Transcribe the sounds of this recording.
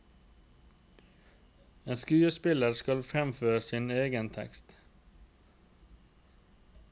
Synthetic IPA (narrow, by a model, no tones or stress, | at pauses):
eːnskʉːəspɪləɾskɑlfɾɛmføːɾəsineːɡənt̪ʰɛ̰kst̪